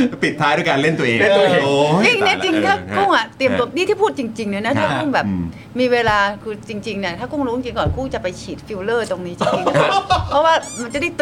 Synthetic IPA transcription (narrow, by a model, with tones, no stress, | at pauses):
pi˨˩t̪ʰːaː˦˥jduː˧˥˩jkaː˧le˥˩nt̪u˧˩ɐʔeː˧˥˨t͡ɕi˧ŋna˦˥t͡ɕi˧ŋt̪ʰaː˥˩kʰu˥˩ŋʔa˨˩t̪i˧əmt̪u˧ədi˥˩t̪ʰiː˥˩pʰuː˥˩t̪̚t͡ɕi˧ŋt͡ɕi˧ŋnɯ˦˥na˦˥t̪ʰaː˥˩kʰo˥˩ŋbɛː˨˩p̚ | miː˧weː˧laː˧kʰɯː˧t͡ɕi˧ŋt͡ɕi˧ŋni˧˩t̪ʰaː˥˩kʰu˥˩ŋɾu˧˦˥t͡ɕi˧ŋkɔː˨˩nkʰuː˥˩t͡ɕa˨˩pa˧jt͡ɕʰiː˨˩t̪̚fi˧wlɤː˥˩t̪o˧ŋniː˦˥t͡ɕʰːa˧˥˩ɔ˦˥waː˥˩ma˧nt͡ɕa˨˩da˥˩jt̪